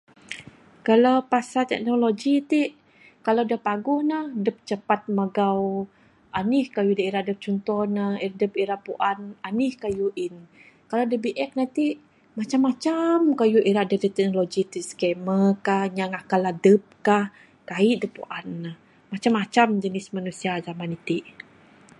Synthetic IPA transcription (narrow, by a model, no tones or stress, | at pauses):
kalawpasat̪ɛ̰k̚noloɡit̪iʔ | kaladəpaɡuhnahdəp̚t͡ʃəpat̪̚maɡaw | ʔanihkajudaiɾaʔdəp̚t͡ʃɔnt̪ɔnahiɾadəpiɾaʔpuʔananɪhkajuʔin | kalawdəbiʔɛk̚nat̪iʔ | mat͡ʃamːat͡ʃamkajuʔiɾaʔdədət̪ɛk̚nolod͡ʒit̪iʔskɛməkahɲaŋakaladəp̚kah | kaiʔdəpṵʔanːah | mat͡ʃamːat͡ʃamd͡ʒənɪsmanusiazamanit̪iʔ